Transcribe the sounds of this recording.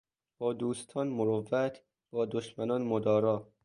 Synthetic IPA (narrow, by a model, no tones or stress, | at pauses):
b̥ɒːd̪uːst̪ʰɒːnmoɾovːæt̪ʰ | b̥ɒːd̪oʃmænɒːnmod̪ɒːɾɒː